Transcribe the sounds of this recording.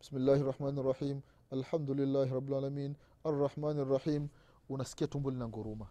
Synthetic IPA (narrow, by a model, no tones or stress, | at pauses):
b̥ɪsmɪlːaːhɑrˤːɑħmaːnɑrˤːɑħiːm | ʔalħamd̪ulɪlːaːhɾˤɑbːɪlʕaːlamiːn | ʔɑrˤːɑħmaːnɑrˤːɑħiːm | wɪnaskijat̪umbulnaŋɡʊɾuːma